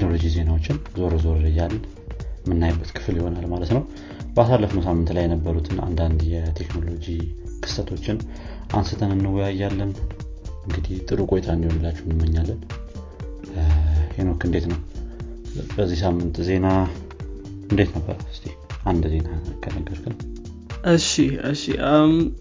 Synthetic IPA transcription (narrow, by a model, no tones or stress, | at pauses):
t̪ʰekno̞lo̞d͡ʒize̞nawo̞t͡ʃːɪnzo̞ɾzo̞ɾɾɨjːalː | mɨnːajbːət̪kʰɨ̥fɨljiho̞nalmalət̪nəw | bəasalːəfnəwsamːɨnt̪lajːɛnəbːəɾut̪ʰɨna̰nd̪and̪jɛt̪ʰe̞kno̞lo̞d͡ʒikʰɨ̥sət̪ʰo̞t͡ʃːɪn | ʔansɨt̪ʰənɨnːɨwɔjajːalːən | ɨŋɡɨd̪iht̪ʼɨɾukʼo̞jt̪ʰaɨnd̪ihonɨlːat͡ʃːɛhnɨmːəɲːalːən | henokʰɨnd̪e̞t̪nəw | bəzːihsamːɨnt̪ze̞na | ɨnd̪e̞t̪nəbːə̰ɾɨst̪ʰʼi | ʔand̪ze̞nakʰənəɡːəɾkʰɨn | ʔɨʃiɨʃḭʔam